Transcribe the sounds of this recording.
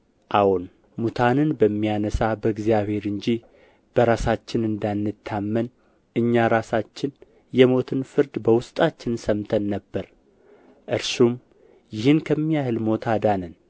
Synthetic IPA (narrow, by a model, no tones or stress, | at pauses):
ʔawun | mut̪ʰanɨnbəmːijanəsabəɨɡzijaβhe̞ɾɨɲd͡ʒi | b̥əɾasat͡ʃːɪnɨnd̪anːɨt̪ʰːamːən | ʔɨɲːaɾasat͡ʃːɪn | jɛmo̞t̪ʰɨnfɨɾd̪bəwʊst̪ʼat͡ʃːɪnsəmt̪ʰənːəbːəɾ | ʔɨɾsum | jɪhɨnkʰəmːijahɨlmo̞t̪ʰad̪anən